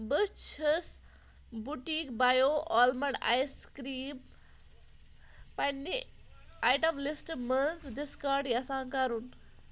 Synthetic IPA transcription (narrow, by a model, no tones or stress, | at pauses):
bɨt͡ʃʰəs | buʈiːkbajoʔɔlmɐɳa̰jskɾiːm | pɐnːi | aːjʈɐmlisʈmənzɖiskaɾɖjɐsãːkɐɾun